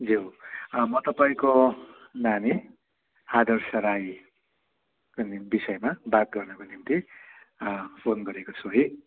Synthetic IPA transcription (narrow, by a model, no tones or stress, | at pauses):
d͡zumʌt̪ʌpaĩkonami | ad̪ʌrsʌɾaj | konibisʌjmabat̪̚ɡʌrnʌkonimt̪i | pʰonɡʌɾekot͡sʰuɦʌj